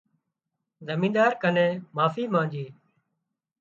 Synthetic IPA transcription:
zəmĩːɗ̪aːɾkənẽːmaːfiːmãːd͡ʒiː

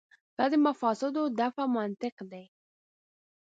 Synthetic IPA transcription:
d̪̥ɑd̪əmafɑsɪd̪od̪afamant̪ɪqd̪aj

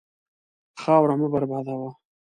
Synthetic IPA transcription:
xɑːwɾaməbaɾbɑːd̪awa

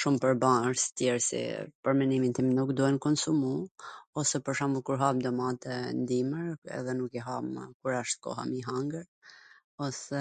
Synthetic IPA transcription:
ʃumpəɾbaɾsi̥t̪jɛɾsḭpəɾmɛnimint̪imnukd̪uhɛnkɔnsumuɔsɛpəɾʃamukuɾɦamd̪ɔmat̪ɛnd̪iməɾɛ̰ðɛnukiɦamkuɾaʃt̪̚kɔ̰ɦa̰miɦaŋɡəɾ | ɔsɛ

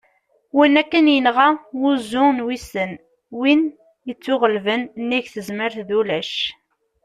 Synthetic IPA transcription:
winːækːənjənʁawuzːʊnwisən | win | jət͡sːʊʁəlvənnːiʝθəzməɾθðulæʃ

